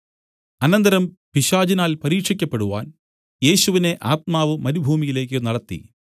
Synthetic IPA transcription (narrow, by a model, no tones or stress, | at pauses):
ɐnɐnd̪ɐɾɐm | piɕaːd͡ʑinaːlpɐɾiːkʂikʲːɐpːe̞ɽuʋa̰ːn | je̞ːɕuʋine̞ʔaːt̪̚maːʋɨmɐɾubʱuːmijile̞ːk̬ʲːɨnɐɽɐt̪ːḭ